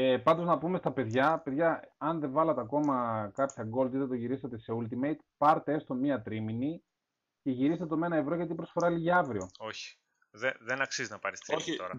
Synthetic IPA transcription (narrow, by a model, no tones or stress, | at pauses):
epɐnd̪o̞znɐpume̞st̪ɐpe̞ðʝɐpe̞ðʝɐɐnðevɐlɐt̪eɐko̞mɐkɐpçɐɡo̞ld̪iðet̪o̞ʝiɾisɐt̪ese̞ult̪imejt̪pɐɾt̪ee̞st̪o̞miɐt̪ɾimini | ce̞ʝiɾist̪et̪ome̞nɐevɾo̞ʝɐt̪̬ipɾo̞sfo̞ɾɐliʝiɐvɾio̞o̞çi̥ | ðeðenɐksizinɐpɐɾist̪oçt̪oɾɐ